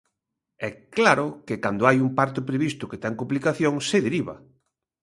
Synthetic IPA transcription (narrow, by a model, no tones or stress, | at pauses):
ɛklaɾʊkɪkand̪oajumpaɾt̪ʊpɾeβist̪ʊket̪aŋkuplikaθjoŋseðeɾiβa̰